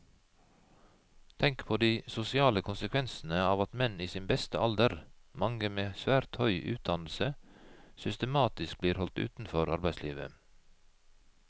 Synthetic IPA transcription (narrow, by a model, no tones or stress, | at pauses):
t̪ʰɛŋkpʰoːd̪iːsʊsɪɑːləkʰʊnsəkʰʋɛnsn̩əɑːʋɑt̪mɛniːsɪːnbɛst̪əʔɑld̪əɾmɑŋəmeːsʋæːɾt̪hœʏʔʉ̰ːt̪̚d̪ɑnl̩səsʏst̪əmɑːt̪ɪsk̚bliːɾhɔlt̪ʉ̰ːt̪n̩fɔɾɑɾbæɪsliːʋə̰